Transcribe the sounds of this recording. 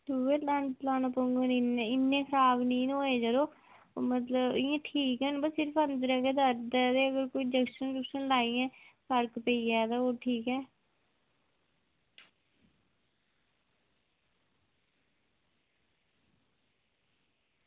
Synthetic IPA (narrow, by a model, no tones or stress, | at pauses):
suːeːlaːnlaːnapəŋɡəninẽɪnːẽːkʰəɾaːbnĩːnoːeːd͡ʒəɾoː | mət̪ləbɪãːʈʰiːkɛːnbəsɪɾəpʰənd̪əɾɛːkeːd̪əɾd̪ːd̪eːəɡəɾkoːiːd͡ʒəkʃənɾʊkʃənlaːijɛ̃ːpʰəɾkpəiːɛːt̪aːoːʈʰiːkɛː